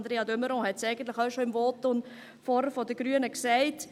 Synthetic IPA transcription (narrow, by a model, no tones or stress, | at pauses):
nd̪ɾeːɑdøməɾɔ̃hɛtsɛɪɡ̥ən̩tlɪχaʊʃoɪmvoːtʊn | fɔɾəfɔdəɡ̥ɾyənəksɛɪt